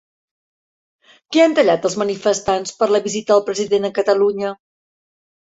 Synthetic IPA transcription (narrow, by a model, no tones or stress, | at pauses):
keant̪əʎat̪əlˠzmənifəst̪anspəɾləβizit̪əəlˠpɾəziðenəkət̪əluɲə